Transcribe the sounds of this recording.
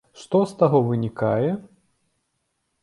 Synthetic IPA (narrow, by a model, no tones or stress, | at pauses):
ʂt̪ɔst̪aɣɔvɨnʲikajɛ